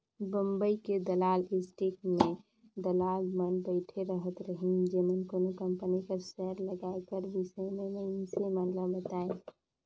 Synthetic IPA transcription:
bəmbəiked̪əlalisʈikme | d̪əlalmənbəɪʈʰeɾəɦət̪ɾəɦid͡ʒemənkonokəmpənikəɾsɛɾləɡaekəɾʋisəememənsemənləbət̪ae

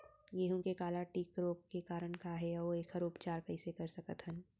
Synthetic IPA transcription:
jeɦũkekaːlaʈiːkɾoːp̚kekaːɾəɳkaɦɛɔoeːkʰəɾʊpt͡ʃaːɾkɐɪsekɐɾsɐkət̪ɦən

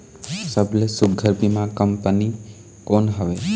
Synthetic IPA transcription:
səblesʊɡʱəɾpimãkəmpəni | konɦəʋe

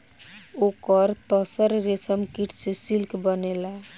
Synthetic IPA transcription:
okəɾt̪əsəɾɾesəmkiʈsesilkbənela

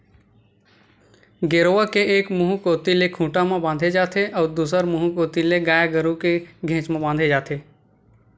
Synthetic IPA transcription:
ɡeːɾoʋakeeːkmʊɦukoːt̪ilekʰũːʈamãbãːnd̪ʱed͡ʒaːt̪ʰeʔɔːɾd̪uːsəɾmʊɦũkoːt̪ileɡaːjaɡəɾũkeɡʱẽːt͡ʃmãbãːnd̪ʱed͡ʒaːt̪ʰeː

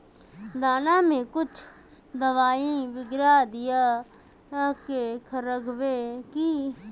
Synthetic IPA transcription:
d̪aːnãːmẽːkʊt͡ʃʰ | d̪əʋaːĩːʋɪɡɾaːd̪ɪjaː | kekʰəɾəɡʋeːkiː

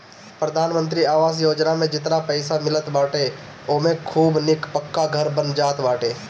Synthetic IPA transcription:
pɾəd̪ʱaːnmə̃nt̪ɾiaːʋaːs̬joːd͡ʒnamẽd͡ʒɪt̪napəɪsamɪlət̪baːʈʰe | oːmẽkʰuːbnɪkpəkːaɡʱɐɾbənd͡ʒaːt̪baːʈʰeː

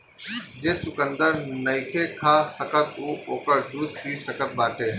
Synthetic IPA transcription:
d͡ʒeːt͡ʃʊkə̃nd̪əɾnəikʰeːkʰaːsəkət̪uːoːkəɾd̪uːspiːsəkət̪̚baːʈʰeː

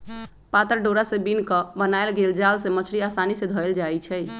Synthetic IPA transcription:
pat̪əɾɖoɾasebinkəbənajlɡeld͡ʒalsemət͡ʃʰɾiasanised̪ʱɔeld͡ʒajt͡ʃʰɛ

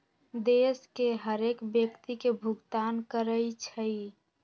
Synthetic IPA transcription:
d̪eskeɦəɾekbjəkt̪ikebʱuɡt̪ankəɾəɪt͡ʃʰəi

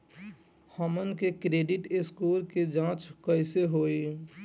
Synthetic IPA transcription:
hɔːmənkekɾeːɖɪʈɪskuːlked͡ʒãːt͡ʃkəɪseɦoːi

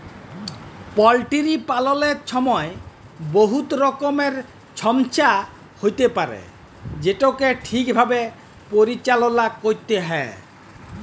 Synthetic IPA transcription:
pɔlʈiɾipalɔleɾʃʰɔmɔe | boɦut̪ɾɔkomeɾ | t͡ɕʰɔmt͡ɕa | hojt̪epaɾḛ | d͡ʑeʈokeʈʰikbʱabe | poɾit͡ɕalonakoɾt̪eɦɔe

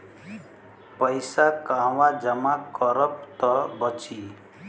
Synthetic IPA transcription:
pʌjsakãwad͡ʒʌmakɔɾʌp̚t̪ʌbʌt͡ʃi

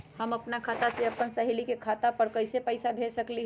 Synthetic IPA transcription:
həməpnakʰat̪aseəpːənsəɦelikekʰat̪apəɾkəɪsepəɪsabʱesəkliɦ

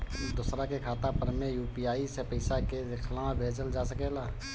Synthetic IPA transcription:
d̪ʊsɾakekʰaːt̪apəɾmejuːpiaːisepəɪsaked̪ɪkʰlãbʱeːd͡ʒəld͡ʒaːsəkeːlaː

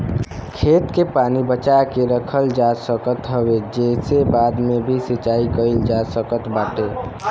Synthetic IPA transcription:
kʰeːt̪kepaːnibət͡ʃakeɾəkʰəld͡ʒasəkət̪ɦəwed͡ʒesebaːd̪mebʱisət͡ʃaːikəɪld͡ʒasəkət̪baːʈe

